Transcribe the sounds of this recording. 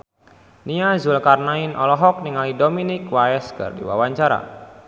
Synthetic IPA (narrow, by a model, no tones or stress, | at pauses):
niazʊlkarnainʔɔlɔɦɔk̚niŋalidominɪkwaɛskɨ̰rdḭwa̰waɲt͡ʃaɾa̰